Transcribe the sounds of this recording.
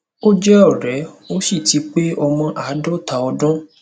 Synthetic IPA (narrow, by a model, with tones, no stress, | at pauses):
o˦d͡ʒɛ˦ɔ˦˨ɾɛ˨˦o˦ʃi˦˨ti˨˦k͡pe˦ɔ˧mɔ̃˧ʔa˨˦dɔ˦ta˨˧ɔ˧dɔ̃˦